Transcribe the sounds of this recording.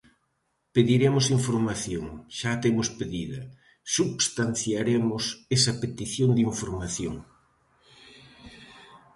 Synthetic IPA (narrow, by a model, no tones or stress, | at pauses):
peðiɾemʊsiɱfoɾmaθjoŋʃat̪emʊspeðiðɐ | subst̪an̟θjaɾemʊsesɐpet̪iθjoŋd̪iɱfoɾmaθjoŋ